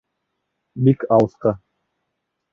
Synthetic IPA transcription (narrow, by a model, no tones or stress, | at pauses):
bikɑwɤsqɑ